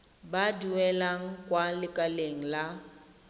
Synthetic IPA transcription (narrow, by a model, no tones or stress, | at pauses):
baduwɛlaŋ̩kʼwalɪkʼaleŋ̩la